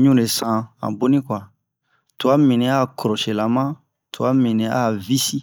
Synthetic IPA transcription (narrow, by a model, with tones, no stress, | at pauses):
ɲũ˦ɾe˨sã˦˨ã̰˨bo˦nĩ˦kwa˨ | tu˨a˦mĩ˨nĩ˨a˦˨kɔ˨ɾɔ˨ʃe˨la˨mã˦ | tʰu˨a˦mĩ˨nĩ˨a˦˨vi˦si˦